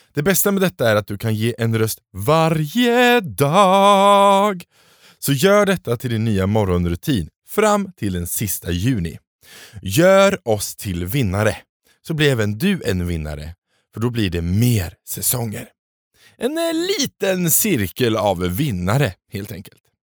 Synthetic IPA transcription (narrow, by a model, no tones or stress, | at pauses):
d̪̥ɛbɛst̪amɛd̪ɛt̪ːaæɾat̪̚d̪ɵkʰanjeːʔɛnɾœst̪vaɾjəd̪ɑː | ɡ | sɔjœːɖɛt̪ːat̪ʰɪld̪ɪnːyːamɔɾɔnɾɵt̪ʰiːn | fɾamːt̪ʰɪld̪ɛnsɪst̪ajʉ̟ːnɪ̰ | jœːɾɔst̪ʰɪlvɪnːaɾə | sɔblɪɾɛːvənd̪ɵɛnvɪnːa̰ɾə̰ | fœɖɔblɪɖɛmeːɾsɛsɔŋːə̰ɾ | ʔɛnliːt̪ənsɪɾkəla̰vːɪnːaɾəheːlt̪ʰɛ̰ŋkəlt̪